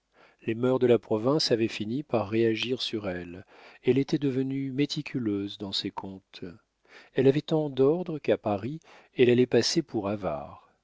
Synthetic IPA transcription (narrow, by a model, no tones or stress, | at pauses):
lemœʁd̪əlapχɔvɛ̃savɛfinipaʁːeaʒiʁsyʁɛlɛlet̪ɛd̪əvənymet̪ʰikʲʰyløzd̪ɑ̃sekʰɔ̃t̪ | ɛlavɛt̪ɑ̃d̪ɔʁd̪ʁəkapaʁi | ɛlalɛpasepʰuʁava̰ːʁ